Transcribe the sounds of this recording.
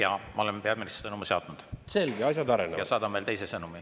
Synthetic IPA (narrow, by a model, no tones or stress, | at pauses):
jɑmɑo̞lempeɑd̪minist̪sɤnumuseɑt̪ːˑnud̪̥se̞lɡeɑsʲjɑd̪ɑɾenejɑsɑːd̪̥ɑmːelt̪e̞jsesɤnumi